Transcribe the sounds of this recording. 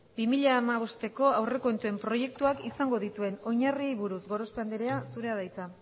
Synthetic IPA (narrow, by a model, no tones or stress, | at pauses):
bimiʎaːmaβ̞o̞st̪e̞ko̞awre̞ko̞nt̪ue̞mpɾo̞je̞k̚t̪uakisaŋɡo̞ð̞it̪ue̞no̞ɲariejβuɾusɣo̞ɾo̞speand̪eɾeasuɾe̞aðajt͡sa